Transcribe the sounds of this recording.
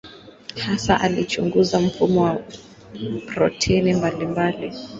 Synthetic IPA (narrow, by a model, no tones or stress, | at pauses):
hasaʔalit͡ʃuŋɡuzam̩fumɔwa | pɾɔtʰɛinimbalimbali